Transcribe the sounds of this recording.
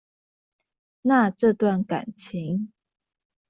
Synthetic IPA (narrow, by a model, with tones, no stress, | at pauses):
na˥˨ʈ͡ʂɤ˥˧t̪wa˥˨nka̰˨˩nt͡ɕʰi˨˦ŋ